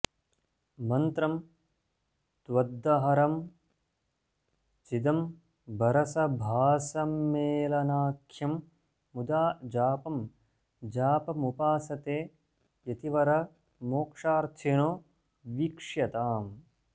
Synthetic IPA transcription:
mɐnt̪ɾɐm | t̪ʋɐd̪ːɐɦɐɾɐm | t͡ʃid̪ɐm | bɐɾɐsɐbʱaːsɐmːeːlɐnaːkʰjɐmː | ud̪aːd͡ʒaːpɐm | d͡ʒaːpɐmupaːsɐt̪eː | jɐt̪iʋɐɾɐ | moːkʂaːɾt̪ʰenoː | ʋikʂjɐt̪aːm

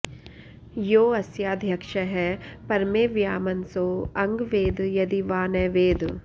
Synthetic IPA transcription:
joːɐsjaːd̪ʱjɐkʃɐɦɛpɐɾmeːʋjaːmɐnsoːɐŋɡʋeːd̪jɐd̪iʋaːnɐːʋeːd̪

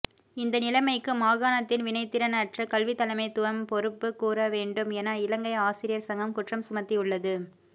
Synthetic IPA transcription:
ɪnd̪ɐnɪlɐɪmɐɪkːɯmaːɣaːnɐt̪ːɪnʋɪnɐɪt̪ːɪɾɐnɐʈrɐkɐlʋɪt̪ːɐlɐmɐɪt̪ːʊʋɐmpɔɾɯpːɯkːuːɾɐʋeːɳɖɯmeːnɐɪlɐŋɡɐɪaːsɪɾɪjɐɾsɐŋɡɐmkʊʈrɐmsʊmɐt̪ːiʊɭːɐðɯ

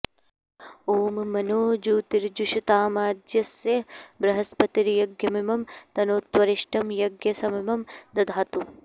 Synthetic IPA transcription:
oːmmɐnoːd͡ʒuːt̪iɾd͡ʒuʃit̪aːmaːd̪jɐsjɐbɾɐɦɐspɐt̪iɾjɐɡjɐmɐmɐmt̪ɐnoːt̪ʋɐɾiʃʈʰɐmjɐɡjɐsɐmɐmɐmd̪ɐd̪ʱaːt̪u

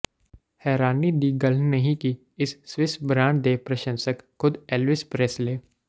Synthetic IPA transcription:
hɛːɾaːnid̪iːɡɐl̤nɐɦĩki | ɪsːʋɪsbɾãːɳɖd̪eːpɾɐʃə̃nsəkkʰːʊd̪ɛlʋɪspɾesleː

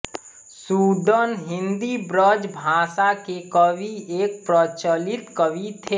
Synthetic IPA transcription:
suːd̪ənɦɪ̃nd̪ibɾəd͡ʒbʱãːsakekəʋieːk̚pɾət͡ʃəlɪt̪kəʋit̪ʰeː

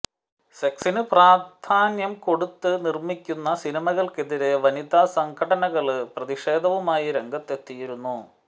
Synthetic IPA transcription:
seksinɨpraːd̪ʱaːnjɐmko̞ɽut̪ːɨnirmikʲːunːɐsinimɐɣɐɭke̞ðiɾe̞ʋɐnid̪aːsɐŋɡʰʱɐɽɐnɐɣɐɭɨprɐðiʂe̞ːd̪ʱɐʋumaːjiɾe̞ŋɡʱɐt̪ːe̞t̪ːijiɾunːu

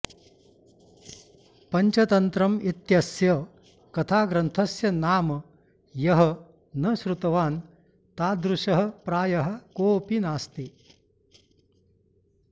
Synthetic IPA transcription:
pɐɲt͡ʃɐt̪ɐnt̪ɾɐmit̪jɐsjɐ | kɐt̪ʰaːɡɾɐnt̪ʰɐsjɐnaːm | jɐɦɐ | nɐʃɾut̪ɐʋaːn | t̪aːd̪ɾuʂɐɦɐpɾaːjɐɦɐ̆koːpinaːst̪i

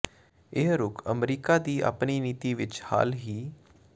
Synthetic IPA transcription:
ɪɦɾʊkʰəmɾiːkaːd̪iːʔa̰ːpniːniːt̪iːʋɪt͡ʃha̰ːlɦiː

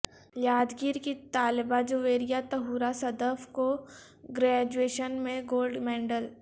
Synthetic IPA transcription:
jaːd̪ɡiːɾkit̪aːlɪbad͡ʒoʋeːɾijat̪ɐɦuːɾasɐd̪əfko | ɡɾɛːd͡ʒueːʃənmẽɡoːlɖmɛ̃ːɳɖəl

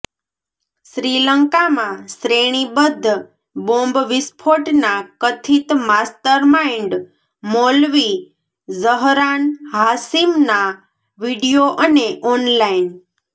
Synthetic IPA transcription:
ʃɾiləŋkamãsɾeɽ̃ibəd̪ʱː | bõmbʋɪspʰoʈnakət̪ʰit̪mast̪əɾmaiɳɖ | molʋi | zəɦɾanɦasimna | ʋiɖijoʔəneʔɔnlain

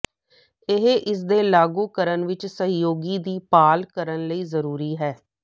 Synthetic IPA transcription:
ɪɦʔɪs̬d̪eːlaːɡuːkəɾənʋɪt͡ʃsəɦjoːɡiːd̪iːpaːlkəɾənləiːzəɾuːɾiːɦɛː

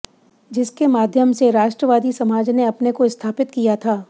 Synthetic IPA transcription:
d͡ʒɪskemaːd̪ʱjəmseɾaːʃʈɾəʋaːd̪isɐmaːd͡ʒneɐpnekoɪst̪ʰaːpɪt̪kijat̪ʰaː

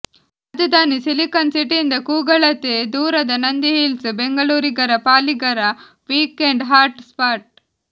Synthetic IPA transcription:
ɐd̪ud̪aːnisilikɐnsiʈind̪ɐkuːɡɐɭɐt̪ed̪uːɾɐd̪ɐnɐnd̪iɦilsbeŋɡɐɭuːɾiɡɐɾɐpaːliɡɐɾɐ | ʋiːkeɳɖɦaːɾʈspaːɾʈ̚

